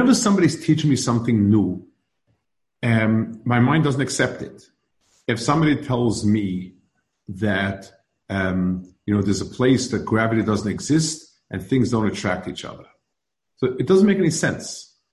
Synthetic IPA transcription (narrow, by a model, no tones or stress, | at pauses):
ɛvəsʌ̃mbɑɾiz̥tʰit͡ʃɪ̃ŋmisʌ̃mθɪ̃ŋnu | ʌ̃mmaɪmãɪ̃ndʌzn̩tɨksɛp̚tɨ̰t | ɨfsʌ̃mbɑɾitʰɛlˠzmi | ðɨt | ʌ̃mjɨnoʊðə˞zəpʰl̥eɪsðə˞ɡ̥ɹævɨɾidʌz̃n̩tɨɡzɪst | ʔɨ̃nθɪ̃ŋzdõʊ̃ntɨtʰɹ̥æ̰k̚tit͡ʃʌ̰ðə˞ | soʊɨt̚d̥ʌzn̩meɪkɛ̃nisɛ̃ns